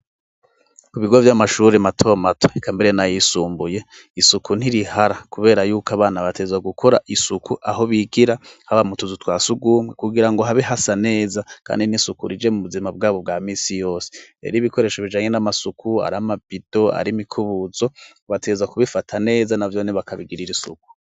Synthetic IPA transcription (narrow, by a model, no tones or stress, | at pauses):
kuβiɡovjamaʃuːɾematʰo̞matʰo̥ikʰambe̞ɾe̞najisuːmbuje̞ | isukʰun̥iɾihaɾakuβe̞ːɾajuːkaβaːnaβatʰeɡezaɡukʰo̞ɾaʔisukʰuʔaɦo̞βiɡiɾahaβamutuzutwaːsuɡuːmwekuɡiɾaŋɡo̞ɦaβeɦasane̞ːzakʰa̰ːndinisukuɾid͡ʒe̞muβuzimab̚ɡaːβo̞b̚ɡaːmiːsijo̞ːse̥ḛɾiβiko̞ɾe̞ːʃoβid͡ʒaːɲe̞namasukʰua̰ɾamabid̥o̞a̰ɾimikʰuβuzo̞ | βateezakuβifatʰane̞ːzanavjoneβakʰaβiɡiɾiɾisṵku̥